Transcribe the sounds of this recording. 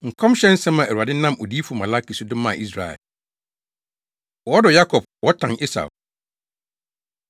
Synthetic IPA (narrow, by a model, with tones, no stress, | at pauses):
ŋ̩˨kʰɔ̃˦m˦ɕɛ̃˦n̩˦sɛ̃˦mã˨ʔæ˨u˨a˨dɪ˦nã˦mo˨di˦fu˨ma˨la˦ki˨sʊ˦dʊ̃˦mã˦˨i˦s̬ɾa̰˨ɛ̰˨l | wɔ˦dɔ˨ja˦kʰɔ˨b̚wɔ˦tʰã˨ne˦sa̰˨